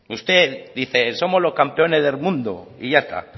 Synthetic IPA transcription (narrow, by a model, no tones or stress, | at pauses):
ust̪e̞ðiθeso̞mo̞zlo̞skampe̞o̞ne̞zðelmũnd̪o̰iʝaest̪ʰa̰